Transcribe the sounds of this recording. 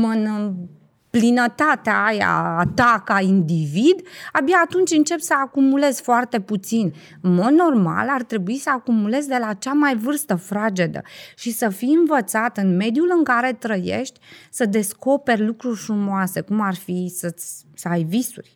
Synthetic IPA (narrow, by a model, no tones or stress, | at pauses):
mɨnɨ | plinət̪at̪eaaja̰ːt̪akaind̪ivid̪abjaːt̪unt͡ʃʲɨnt͡ʃe̞psəakumule̞z̥foart̪e̞put̪sin | ɨnmo̞d̪no̞rma̰lart̪ɾe̞buisəakumule̞zd̪e̞lat͡ʃamajvɨrst̪əfɾad͡ʒe̞d̪ə̰ʃisəfiɨnvət̪sat̪ɨnme̞d̪julɨŋkaɾe̞t̪ɾəje̞̰ʃt̪ʲsəd̪e̞sko̞pe̞rʲlukɾurʲfɾumoase̞kumarfisəsʲsəajvisṵrʲ